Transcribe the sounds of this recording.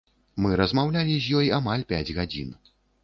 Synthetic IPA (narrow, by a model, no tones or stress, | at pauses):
mɨɾɐzmawlʲalʲizʲjɔjamalʲpʲad͡zʲɣad͡zʲḭn